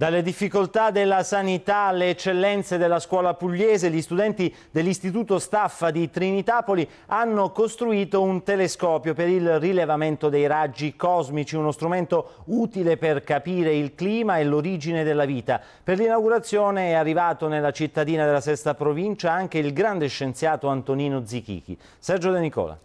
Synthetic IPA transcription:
d̪alːed̪ifːikolt̪ad̪elːasanit̪aleːt͡ʃːelːɛnt̪sed̪elːaskwɔːlapuʎːeːzeʎːist̪ud̪ɛnt̪i | d̪elːist̪it̪uːt̪ost̪afːad̪it̪ɾinit̪apoli | anːokost̪ɾuiːt̪ount̪eleskɔːpjopeɾilrilevament̪od̪ejɾad͡ʒːikɔzmit͡ʃiunost̪ɾument̪o | uːt̪ileperkapiːɾeilkliːmaeloɾid͡ʒined̪elːaviːt̪a | perlinawɡuɾat̪sːjoːneɛarːivaːt̪onelːat͡ʃit̪ːad̪iːnad̪elːasɛst̪apɾovint͡ʃaaŋk̟eilɡɾand̪eʃːent̪sjaːt̪oant̪oniːnod̪zik̟ḭːk̟ḭ | sɛrd͡ʒod̪enikɔ̰ːla̰

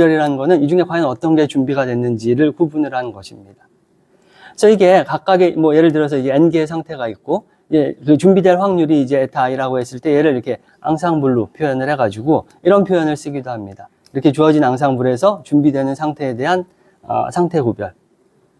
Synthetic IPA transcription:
jʌɾiɾanɯnɡʌnɯnid͡ʑuŋe̞kwajʌnʌt͈ʌnɡe̞t͡ɕumbiɡadwe̞nːɯnd͡ʑiɾɯɭkubunɯɾanɯnɡʌɕʰimɲid̥a | sʰʌiɡe̞kak͈̚aɡemwʌje̞ɾɯɭt̬ɯɾʌs̬ʰʌiɡe̞ːnɡeːsʰaŋtʰe̞ɡaik̚k͈o | id͡ʑe̞kɯt͡ɕumbidwe̞nɸwaŋɲuɾiːd͡ʑe̞ːtʰaiɾaɡohe̞s͈ɯɭt͈e̞je̞ɾɯɾiɾʌkʰe̞ | a̰ŋsʰaŋbuɭːopʰjojʌnɯɭɦe̞ɡad͡ʑuɡo | iɾʌnpʰjojʌnɯɭs͈ɯɡidoɦhamɲida | iɾʌkʰe̞t͡ɕuʌd͡ʑinaŋs̬ʰaŋbuɾe̞sʰʌt͡ɕumbidwe̞nɯnsʰaŋtʰe̞ːde̞ɦan | ʌ̰sʰaŋtʰe̞kobjʌɭ

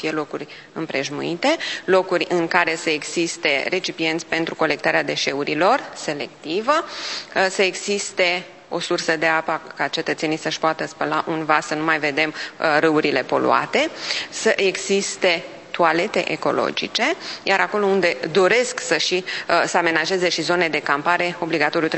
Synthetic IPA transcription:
fijelo̞kurʲ | ɨmpɾe̞ʒmṵit̪e̞lo̞kurʲɨŋkaɾe̞səeɡzist̪e̞re̞t͡ʃipije̞nt̪sʲpe̞nt̪ɾuko̞le̞k̚t̪aɾead̪e̞ʃe̞uɾilo̞rse̞le̞kt̪ivə | səe̞ɡzist̪e̞ | o̞̰sursəd̪e̞apəkat͡ʃe̞t̪ət̪se̞nijsəʃpoat̪əspəlaʔunvasənumajve̞d̪e̞mrɨuɾile̞po̞̰lṵa̰t̪e̞səʔe̞ɡzist̪e̞ | t̪uale̞t̪e̞̰ʔeko̞̰lo̞̰d͡ʒḭt͡ʃe̞jaɾako̞lo̞und̪e̞d̪o̞ɾe̞sksəʃisəame̞naʒe̞ze̞ʃizo̞ne̞d̪e̞kampaɾe̞o̞bliɡat̪o̞ɾjut̪ɾ

